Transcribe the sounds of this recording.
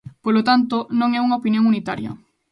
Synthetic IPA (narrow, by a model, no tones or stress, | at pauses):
polot̪ant̪ʊnõŋɛuŋaopinjõŋunit̪aɾjɐ̰